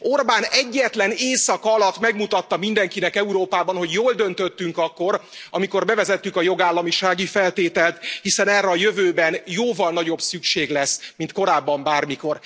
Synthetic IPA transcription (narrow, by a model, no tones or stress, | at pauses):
o̞rbaːnɛɟːɛt̪lɛneːsɒkɒlɒt̪ːmɛɡmut̪ɒt̪ːɒmind̪ɛŋkinɛkɛuɾoːpaːbɒnɦo̞ɟjoːld̪ø̞nt̪øt̪ːyŋkɒkːo̞ɾɒmiko̞rbɛvɛzɛt̪ːykɒjo̞ɡaːlːɒmiʃaːɡifɛlt̪eːt̪ɛlt̪hisɛnɛrːɛɒjøvøːbɛnjoːvɒlnɒɟo̞bsykʃeːɡlɛsmint̪ko̞ɾaːbːɒmbaːrmiko̞r